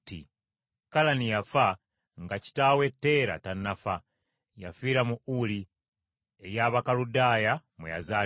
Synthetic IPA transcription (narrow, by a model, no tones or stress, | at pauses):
tḭ | kalanijafa | ŋɡaci̥taːwe̞tːe̞ːɾa̰tanːafa | ja̰fiːɾamuuli | ejaːβakaludaːjamweja̰zaː